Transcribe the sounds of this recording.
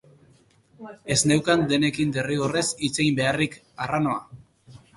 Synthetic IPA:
e̞zne̞wkand̪e̞ne̞kind̪e̞riɣore̞sit͡seimbe̞arik | arano̞a̰

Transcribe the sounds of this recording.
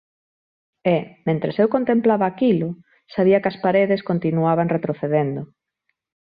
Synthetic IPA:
ɛmẽnt̪ɾesewkont̪emplaβaːkilʊ | saβiɐkɐspaɾeðeskont̪inuaβaŋret̪ɾoθeðend̪ʊ

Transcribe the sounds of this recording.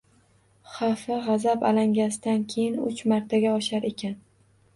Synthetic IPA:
χɑfɪʁɑzapa̰laŋɡʲasɪd̪ankʲʰe̞jɪnʊ̰t͡ʃmaɾt̪ʰaɡʲaɒʃaɾe̞kʲʰan

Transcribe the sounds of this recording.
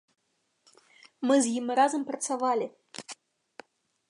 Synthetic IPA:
mɨzjimɾazəmprɐt̪savalʲɪ

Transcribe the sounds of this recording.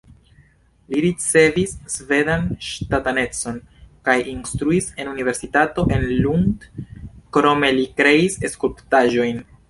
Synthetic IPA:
liɾit͡se̞visːve̞danʃtatane̞t͡so̞nkajʔinstɾuisenunive̞ɾsitato̞ʔe̞nlundkɾo̞me̞likɾe̞ise̞skulptaʒo̞jn

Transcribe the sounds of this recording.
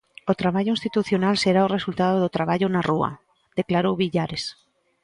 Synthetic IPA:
ot̪ɾaβaʎoĩnst̪it̪uθjonalseɾaoresult̪að̞oðot̪ɾaβaʎʊnarua̰ | d̪̥eklaɾowβiʎaɾes

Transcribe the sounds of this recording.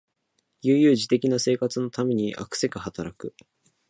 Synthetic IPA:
jɯːjɯ̟ːʑit̪e̞kʲinase̞ːkat͡sɨno̞t̪ame̞ɲ̟iʔa̰kɯ̟̥se̞kɯ̟hat̪aɾakɯ̟

